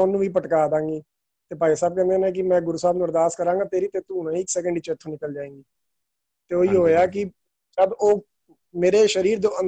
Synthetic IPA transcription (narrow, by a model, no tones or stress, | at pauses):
ʊnːũːʋiːp̬əʈkaːd̪ãːŋɡiː | t̪eːpaːisaːb̚kɛ̃ːnd̪eːnẽːk̬ɪmɛ̃ːɡʊɾuːsaːbnʊɾd̪aːskəɾãːŋɡaːt̪eːɾiːt̪eːt̪uːnãːɪksɛːk̬əɳɖiːt͡ʃet̪ʰːũːnɪkəld͡ʒaːẽːɡiː | t̪eːoːiːɦoːeaːk̬ɪ | d͡ʒəboː | meːɾeːʃəɾiːɾd̪oːən